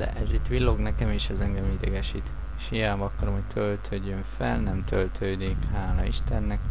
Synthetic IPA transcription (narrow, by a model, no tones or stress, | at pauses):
d̪ɛ̰ʔɛzit̪ːʋilːoɡnɛkɛmiːʃɛzɛŋɡɛmid̪ɛɡɛʃit̪ | ʃijaːbɒkːɒɾomɦo̞c̚t̪ʰølt̪ʰøːɟːøɱfɛ̰lnɛmt̪ʰølt̪ʰøːd̪ikhaːlɒiʃt̪ɛnːɛk